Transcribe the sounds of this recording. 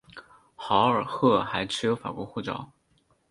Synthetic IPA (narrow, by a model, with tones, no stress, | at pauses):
xɑ˧˥ʊə˞˨˩xɤ˥˩xa˧˥ɪʈ͡ʂʰɻ̩˥jo˧˥ʊfa̰˨˩kwɔ˧˥xu˥˩ʈ͡ʂɑ̰˥˩ʊ